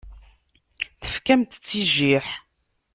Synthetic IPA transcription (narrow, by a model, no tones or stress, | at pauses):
θə̥fkæmt̪t͡sːiʒiħ